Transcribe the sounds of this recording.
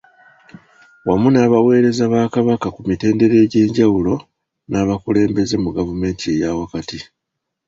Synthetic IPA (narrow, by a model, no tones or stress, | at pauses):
wamunaːβawe̞ːɾe̞zaβaːkaβakakumite̞ːnde̞ɾe̞ːɟe̞ːɲɟawulo̞ | naːβakule̞ːmbe̞ze̞muɡavume̞ːntiejawakati